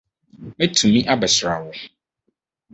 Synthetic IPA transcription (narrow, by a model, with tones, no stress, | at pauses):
mɛ̃˦tʰũ˨mĩ˦ʔa˦bɛ˨sɾa˨wʊ˦